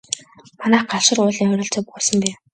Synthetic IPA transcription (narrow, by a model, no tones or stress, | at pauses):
manæːχɢaɮʃə̆rʊːɮiχɾʲə̆ɬt͡sɔːp̚ʊːsə̆mpæː